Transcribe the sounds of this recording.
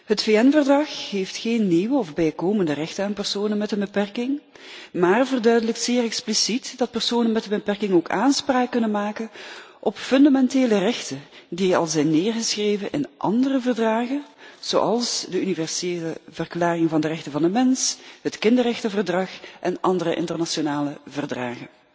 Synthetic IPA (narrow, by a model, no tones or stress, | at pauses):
ɦətfeːɛnvərdrɑxɦeftxeːnːiwəɔvbɛjkoːməndərɛxtənaːnpɛrsoːnənmɛtəbəpɛrkɪŋ | maːrvərdœɥdələk̚tseːrɛksplisitdɑt̚pərsoːnənmɛtəbəpɛrkɪŋoːkaːnspraːkːɵnənmaːkənʔɔpfɵndamɛnteːlərɛxtəndiɑ̰lˠzɛjnːeːrɣəsxreːvənʔɪ̰nʔɑ̰ndərəvərdraːɣənz̥o̰ːʔɑlˠsdəynivɛrseːləvərklaːrɪŋvɑndərɛxtənvɑndəmɛnsɦətkɪndərɛxtəvərdrɑxʔɛnʔɑndərəʔɪ̰ntərnɑʃonaːləvərdra̰ːɣən